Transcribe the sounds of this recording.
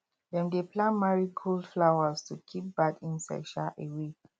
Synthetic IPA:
dɛ̃mdeplãnmaɹikʰoldflawaztukʰip̚bakĩnsa̰ɪ̥ʃaʔewe

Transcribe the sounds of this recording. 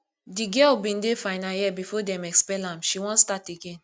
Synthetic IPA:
diɡɛlbĩndefaɪnajɛbifɔdɛ̃mɛkspɛlãmʃiwɔ̃nstateɡẽn

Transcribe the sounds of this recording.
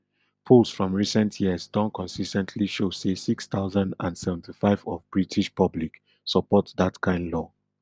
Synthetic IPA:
pʰulsfɹɔ̃mɹisɛ̃ntʰjiəsdɔ̃nkʰɔ̃nsistɛ̃ntʰliʃosesikst̪aʊzãndã̰ndsɛvɛ̃n̩tʰifaɪvɔvbɹitʰiʃpʰʌblik | səpɔtdatkʰãɪ̃ndlɔ

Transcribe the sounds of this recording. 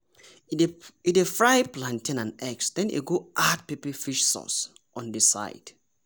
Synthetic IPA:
idefɹajplãntĩnãnɛksdɛ̃nḭɡoʔad̚pipifiʃsɔ̰s | ʔɔ̃ndisa̰ɪd̥

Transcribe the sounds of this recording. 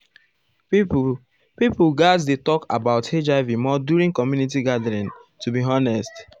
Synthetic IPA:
pipulɡadsdetɔka̰baʊted͡ʒavimɔdjuɹĩŋkɔmjunit̬iɡadəɹĩntubiɦɔnɛst

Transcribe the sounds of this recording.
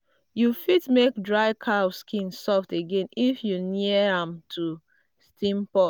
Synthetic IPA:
jufitmekdɹaɪkʰaskʰĩnsɔfteɡẽnifjuniəãmtʰu | stʰĩmpɔ

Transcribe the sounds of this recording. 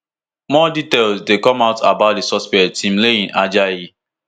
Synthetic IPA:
mɔditelsdekɔ̃maʊtabaʊt̚desɔspɛktʰĩmleĩnad͡ʒai

